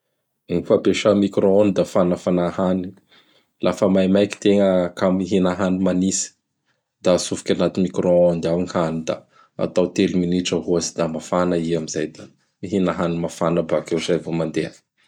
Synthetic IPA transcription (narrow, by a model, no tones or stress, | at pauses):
ŋifapeʃamikɾoonid̪afanəfanahani | lʔafəmajmajki̥t̪eŋəkamiɦinaɦanimanisi̥ | d̪asufi̥kʲanat̪inmikɾoand̪awŋhanid̪a̰ | a̰t̪awt̪eliminiʈ͡ʂəɦuazid̪amafanəiamizajd̪a | miɦinaɦanimafanəbakewzajvomand̪ean